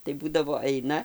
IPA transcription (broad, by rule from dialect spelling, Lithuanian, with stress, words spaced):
tɐɪ ˈbuːdɐʋoː ˈɐɪnɐ